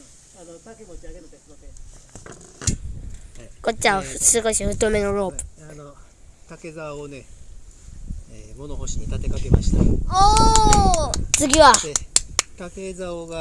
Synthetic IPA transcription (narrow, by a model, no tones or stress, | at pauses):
anot̪akemot͡ɕiaɡeẽ | kot͡ɕːasɨko̞ɕiɸɯ̟t̪ːo̞me̞no̞ɾo̞ːpɯ̥no | k̪ake̞zaone̞ | emo̞noɦoɕiɲ̟it̪at̪e̞kakema̰ɕi̥t̪ao | t͡sɨɡʲiβaek̪ake̞zaoɡa